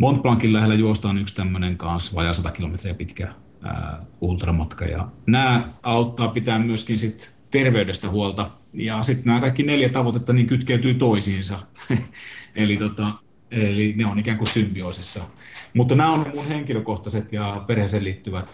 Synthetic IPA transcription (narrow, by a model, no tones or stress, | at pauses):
mont̪̚plɑŋkillæhelːæjuost̪ɑːnykst̪æmːøneŋkɑnsʋɑ̰jɑsɑt̪ɑkilomet̪riæpit̪kæ̰ | ult̪rɑmɑt̪kɑ̰jɑ̰næːɑut̪ːɑːpit̪æːmmyøskinsit̪ | t̪erʋeydest̪æhuolt̪ɑ | jɑsit̪næːkɑikːineljæt̪ɑʋot̪et̪ːɑniːŋkyt̪kæyt̪yːt̪oisiːnsɑ | elit̪ot̪ɑ | elineonikæːŋkussympioːsisːɑmut̪ːnæːonnemunheŋkiløkoht̪ɑset̪jɑperheselliːt̪ːyʋæt̪